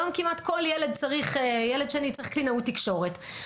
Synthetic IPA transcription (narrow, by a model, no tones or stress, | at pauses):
omkimatko̞ljeled̚t͡saʁiχjeledʃeanit͡saʁiχklinautːikʃo̞ʁet